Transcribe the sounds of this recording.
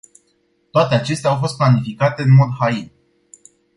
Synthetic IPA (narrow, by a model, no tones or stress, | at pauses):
t̪oat̪eat͡ʃe̞st̪eawfo̞st̪̚planifikat̪e̞ɨnmo̞d̪hain